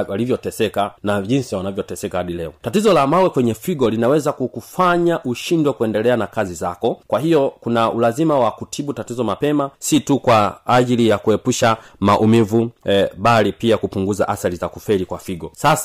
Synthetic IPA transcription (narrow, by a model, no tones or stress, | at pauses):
walivjɔtɛsɛkanaʄinsiwanavjɔtɛsɛkahaɗilɛɔtatizɔlamawɛkwɛɲɛfiɡɔlinawɛzakukufaɲaʔuʃindwɛkuɛndɛlɛanakazizakɔkwahijɔkunaulazimawakutʰiɓutatizɔmapɛmasitukwaːʄilijakuɛpuʃamaʔumivuɓalipiakupuŋɡuza̰ʔaθalizakufɛlikwafiɡɔsasa